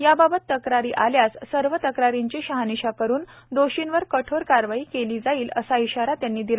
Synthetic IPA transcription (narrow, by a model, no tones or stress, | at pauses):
jababət̪ːəkɾaɾiːʔaljassəɾʋət̪əkɾaɾiɲt͡ɕeɕəɦaniɕakəɾuːn | d̪oɕinʋəɾkəʈʰoɾkaɾʋaiːkeliːd͡zaiːlə̰saiɕaɾat̪janːiːd̪ila